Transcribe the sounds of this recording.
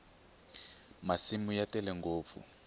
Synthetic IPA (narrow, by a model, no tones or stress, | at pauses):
masimujatɛlɛŋɡoːp̪fṵ